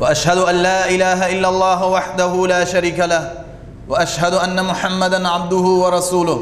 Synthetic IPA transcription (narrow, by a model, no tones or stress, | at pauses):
waʔaʃhad̪ʊʔanlaːʔɪlaːɦaʔɪlːalˤːɑːɦʊwaħd̪aɦʊlaːʃaɾiːkalah | waʔaʃɦad̪ʊʔanːamʊħamːad̪anʕab̚d̪ʊɦʊwɑɾˤɑsuːlʊ